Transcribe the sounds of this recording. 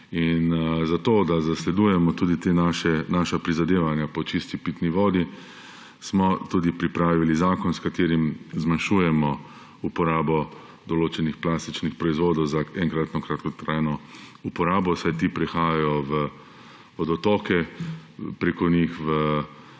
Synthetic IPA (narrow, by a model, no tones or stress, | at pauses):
inzat̪oːd̪azaslɛd̪ujɛmɔt̪uːd̪it̪enaʃɛnaːʃapɾizad̪eːʋanjapɔt͡ʃist̪ipiːt̪niʋɔːd̪i | smɔt̪uːd̪ipɾipɾaːʋilizaːkɔnskat̪eːɾimzmanʃuːjɛmɔ | upɔɾaːbɔ | d̪ɔloːt͡ʃɛnixplaːst̪it͡ʃnixpɾɔizʋoːd̪ɔwzaɛŋkɾat̪nɔkɾat̪kɔt̪ɾaːjnɔupɔɾaːbɔsajt̪iːpɾɛxaːjajɔʋə | ɔd̪ɔt̪ɔːkɛ | pɾeːkɔnixʋə